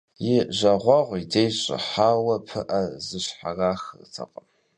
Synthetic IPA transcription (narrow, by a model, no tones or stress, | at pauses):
jɪʑɐʁʷɑʁʷidejɕʼɪ̰ħaːwɐpʰɨ̰ʔɐzɨɕħaraːxt͡sʰɐ̰qʼɐm